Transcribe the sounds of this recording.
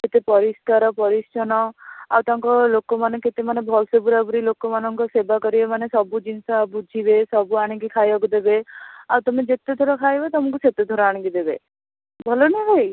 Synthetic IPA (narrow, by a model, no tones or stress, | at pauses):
d͡ʒet̪epɔɾiskaɾɔpɔɾist͡ʃʰɔnɔawt̪aŋkɔlokɔmaneket̪emanebʱɔlsebuɾabuɾilokɔmanɔŋkɔsebakɔɾibemanesɔbud͡ʒinsabud͡ʒʱibesɔbuaɽ̃ĩkikʰajɔkud̪ebeawt̪ɔmed͡ʒet̪ed̪ʱoɾɔkʰajbat̪ɔmɔŋkuset̪ed̪ʱɔɾɔaɽ̃ĩŋkid̪ebe | bʱɔloneɦej